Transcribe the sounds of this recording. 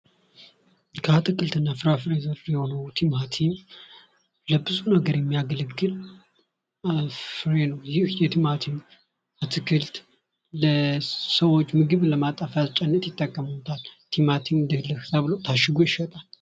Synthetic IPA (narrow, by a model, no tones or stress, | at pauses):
kʰəat̪ʰɨkʰɨlt̪ʰɨnːafɨɾafɾezəɾjɛho̞nəwt̪ʰimat̪ʰim | ləbːɨsʼunəɡəɾjɛmːijaɡələɡːɨl | fɾenəwjɪhjɛt̪ʰimat̪ʰim | at̪ʰɨkʰɨlt̪ | ləsəwo̞t͡ʃːmɨɡɨβləmat̪ʼəfjazt͡ʃʼɛnːət̪jɪt̪ʼːəkʼːəmt̪ʰalt̪ʰimat̪ʰimd̪ɨhlɨkɨzaβɨlowt̪ʰaʃɪɡojɪʃwɔt̪ʼal